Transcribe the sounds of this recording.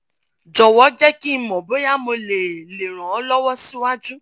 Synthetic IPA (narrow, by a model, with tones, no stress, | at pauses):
d͡ʒɔ˨wɔ˨˦d͡ʒɛ˦ki˦˧mɔ̃˨bo˨˦ja˦mo˧le˨le˨ɾ̃ã˨˦lɔ˦wɔ˦si˦wa˦d͡ʒu˦